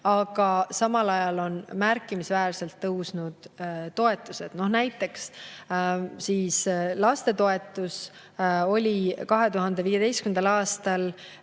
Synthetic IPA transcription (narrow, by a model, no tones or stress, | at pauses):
ɑɡ̥ɑsɑmɑlɑjɑlo̞nmærkːˑimisvæːɾse̞lt̪ːɤwsnud̪̥t̪o̞e̞t̪ːˑuse̞d̪̥no̞hnæjt̪ˑːe̞ks | siːslɑst̪e̞t̪o̞e̞t̪ːˑus | o̞lʲikɑɦe̞t̪uɦɑnd̪e̞viːje̞d̪e̞jstkymnd̪ɑlɑːst̪ɑl